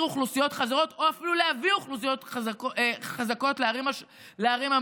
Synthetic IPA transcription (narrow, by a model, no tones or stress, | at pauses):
uχlusijo̞tχazaʁo̞to̞afiluleaviuχlus̬ijot̪a | χazako̞tleaʁima | leaʁima